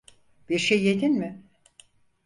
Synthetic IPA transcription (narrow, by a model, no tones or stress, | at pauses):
b̥iɾʃejːed̪inmɪ